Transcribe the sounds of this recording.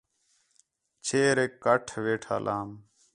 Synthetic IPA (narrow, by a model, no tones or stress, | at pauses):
t͡ʃʰeːɾeːkːəʈʰʋeːʈʰa̰ːlʔaːm